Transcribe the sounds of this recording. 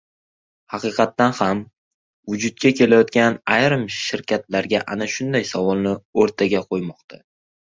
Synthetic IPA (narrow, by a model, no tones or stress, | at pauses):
hɑqʰɨːqʰɑt̪ːanham | vʊd͡ʒʊd̪̚kʲakʲʰe̞lajɒt̪kʲanajɾɨmʃɪɾkʲʰat̪laɾɡʲaʔanaʃʊnd̪ajsavɒlˠnɪoɾt̪ʰaɡʲaqʰojmɒqt̪ʰa